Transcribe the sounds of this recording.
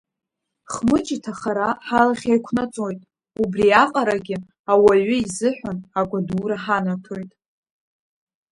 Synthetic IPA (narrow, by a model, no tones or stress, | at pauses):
χmɨt͡ʃʼitʰaχaɾaħalaχʲajkʷʰnat͡sʼojtʼ | ubriaqʼaɾaɡʲɪ | awaɥʊizɨħʷᶣanakʷʼaduːɾaħanatʰojtʼ